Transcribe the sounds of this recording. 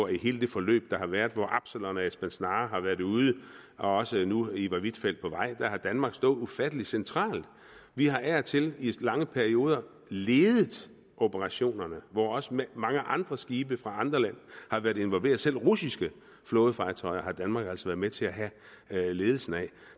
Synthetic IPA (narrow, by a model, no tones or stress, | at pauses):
ɒihe̝ːləd̥e̝fɒ̽lø̰ːb̥̚d̥ɑ̈hɑ̈ʋæɐð̥ˠʋɒʔɑ̈b̥səlɔnæesb̥ænsnɑːɦɑ̈ʋæːɐðuːð̞ˠəɒ̽ɒ̽sənuiʋɑ̈ʋid̥fel̰d̥̚pʰɒ̽ʋɑ̈ɪ̰d̥æhɑ̈d̥ænmɑ̈ːɡ̥sd̥ɔ̽ːð̩ˠufæd̥əli̥sent͡sʰʁɑ̰̈ːld̥ | ʋiɦɑ̈ʔæɐt͡sʰe̝lilɑ̈ŋəpʰæɐio̝ːð̞ˠɐ | leːð̞ˠð̩ˠ | o̝b̥əʁɑ̈ɕo̝̰ːnɐnəʋɒɒ̽səmɑ̈ŋəʔɑ̈nd̥ʁɐsɡ̥iːb̥əfʁɑ̈ɑ̈nd̥ʁɐlæn̰hɑ̈ʋæɐðˠe̝nʋɒ̽lʋe̝ːɐð̞̩ˠsel̰ʁusisɡ̥ə | flɔ̽ːð̞ˠəfɑ̈ːt͡sʰɒ̽ɪɐhɑ̈d̥ænmɑ̈ːɡ̥æl̰sɒʋæːɐð̞ˠmet͡sʰe̝æɦæ | le̝ːð̞ˠl̩sn̩æ